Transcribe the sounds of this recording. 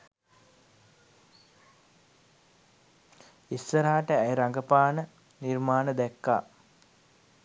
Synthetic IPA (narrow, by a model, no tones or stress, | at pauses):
isːəɾaaʈəæjɾaŋɡəpaːnə | nirmaːnəd̪ɛkːa̰ː